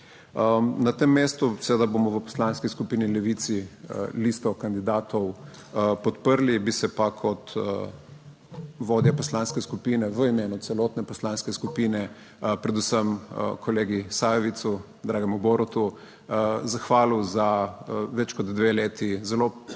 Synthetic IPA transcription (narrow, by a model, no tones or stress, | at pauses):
ənat̪emːeːst̪usɛʋeːd̪aboːmɔʋəpɔ̥slanskiskupiːnilɛʋiːt̪siliːst̪ɔkand̪id̪aːt̪ɔw | pɔt̪pəɾlibisɛpakʰɔt̪ə | ʋoːd̪japɔslaːnskɛskupiːnɛʋəimeːnut̪sɛlɔːt̪nɛpɔslaːnskɛskupiːnɛ | pɾɛd̪usəmə̰kʰɔleːɡisajɛʋit̪su | d̪ɾaːɡɛmuboːɾɔt̪u | zaxʋaːluzaʋɛt͡ʃkɔd̪d̪ʋeleːt̪izɛlo